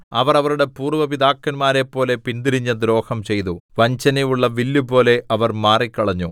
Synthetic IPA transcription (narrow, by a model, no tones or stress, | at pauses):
ɐʋɐrɐʋɐɾuɽe̞puːrʋɐpid̪aːkːɐnmaːɾe̞pːo̞ːle̞pind̪iɾiɲːɐd̪ɾo̞ːhɐmt͡ɕe̞jt̪uʋɐɲt͡ɕɐnejuɭːɐʋilːupo̞ːle̞ʔɐʋɐrmaːrikːɐɭɐɲːu